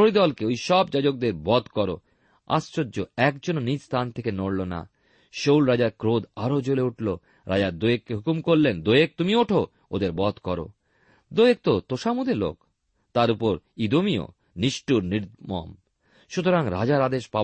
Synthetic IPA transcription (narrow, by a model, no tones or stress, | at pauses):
ʃoɾid̪ɔlkeojʃɔbd͡ʑad͡ʑok̚d̪eɾbɔd̪ʱkɔɾo̰ | a̰st͡ɕod͡ʑoɛkd͡ʑononid͡ʑst̪ʰant̪ʰekenoɽlona̰ | ʃowlɾad͡ʑaɾkɾod̪aɾod͡ʑoleuʈlo | ɾad͡ʑaɾd̪ojekːeɦukumkoɾlend̪ojek̚t̪umioʈʰo | od̪eɾbɔd̪kɔɾo̰ | d̪ojek̚t̪ot̪oʃamud̪elo̰k | t̪aɾupoɾid̪omio̰ | niʃʈuɾniɾmɔ̰m | ʃut̪oɾaŋɾa̰d͡ʑaɾad̪eʃpa